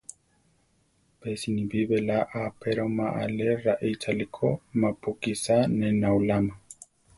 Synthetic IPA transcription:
pesinibiβelaʔapeɾomaʔa̰leɾaʔit͡ʃalikʰo̰mapukisanenawlama

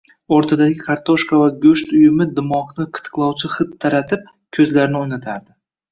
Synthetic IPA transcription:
oɾt̪ʰad̪aɡʲɪkʰaɾt̪ʰoʃkavaɡɵʃt̪ʊjɪmɪd̪ɪmɒqnɪqʰɨ̥t̪ɨ̥qlˠɒwt͡ʃʰɪχɨt̪ʰːaɾat̪ɪp̚ | kʲʰɵzlaɾnɪojnat̪ʰaɾd̪ɪ

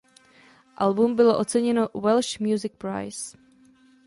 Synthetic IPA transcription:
ʔalbumbɪloʔo̞t͡sɛɲɛnowɛlʃmjuzɪk̚pɾa̰js

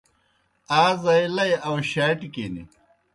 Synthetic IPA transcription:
aːzɐjlɐjɐwɕaːʈikeːnḭ

